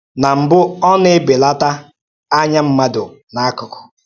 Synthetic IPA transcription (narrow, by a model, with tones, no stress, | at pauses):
na˨m̩˨bʊ˦ɔ˦nɪ˦be˨la˦ta˦ | a˦ɲa˦m̩˦ma˦dʊ˨na˨˦kʊ˨kʊ̥˨